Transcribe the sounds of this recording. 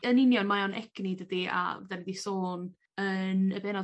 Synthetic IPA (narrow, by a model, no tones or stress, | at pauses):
ənɪnjɔnmaɔnʔɛ̰ɡ̥nidədia̰dɛnidisoːn | ənəbɛnɔ